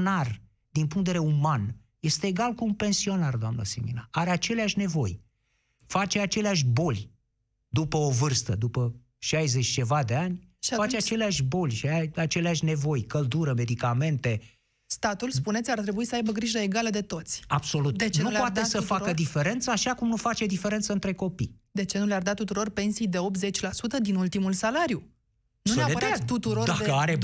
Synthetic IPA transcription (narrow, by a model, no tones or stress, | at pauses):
nar | d̪inpuŋkt̪eveeuman | je̞st̪e̞ːɡalkuunpe̞nsio̞nard̪oamnə̰sḛmḭnaaɾeat͡ʃe̞leaʃʲne̞vo̞j | fat͡ʃe̞at͡ʃe̞leaʃ̬ʲbo̞lʲ | d̪upəo̞vɨrst̪əd̪upə | ʃajze̞t͡ʃʲt͡ʃe̞vad̪e̞anʲfat͡ʃeat͡ʃe̞leaʃʲbo̞lʲʃiaɾat͡ʃe̞leaʃʲne̞vo̞jkəld̪uɾəme̞d̪ikame̞nt̪e̞ | st̪at̪uls̬punesʲart̪ɾe̞buisəajbəɡɾiʒəeɡaləd̪e̞t̪o̞t̪sʲabso̞lut̪d̪et͡ʃenupoat̪esəfaəd̪ife̞ɾe̞nt̪səaʃakumnufat͡ʃe̞d̪ife̞ɾe̞nt̪səɨnt̪ɾe̞ko̞pijd̪e̞t͡ʃe̞nuleard̪at̪ut̪uɾo̞rpe̞nsijd̪e̞o̞p̚t̪ze̞t͡ʃʲlasut̪əd̪inult̪imulsalaɾju | nuneaeət̪ut̪uɾod̪akəaɾe